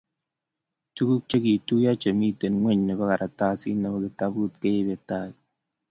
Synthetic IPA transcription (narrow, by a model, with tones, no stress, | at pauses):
tu˦ku˦k̚t͡ʃe˦ki˨tu˦ja˦t͡ʃe˨mi˦te˨nŋʷwɛ˦˨ɲnɛ˨bɛ˦ka˨ɾʔa˨ta˦sḭ˦na˨bɔ˦ki˨ta˦bu˦˨t̚ke˦e˦be˨ta˦˨